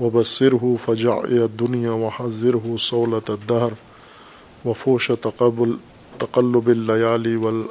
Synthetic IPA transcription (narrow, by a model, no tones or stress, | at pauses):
wabasːɪɾɦʊfad͡ʒa̰ʕɪ̰lad̪ːʊnjaːwaħazˤːɪɾɦʊsˤɑwlad̪ːahɾ | wafuːʃa | t̪aqalːʊbalːajaːliwal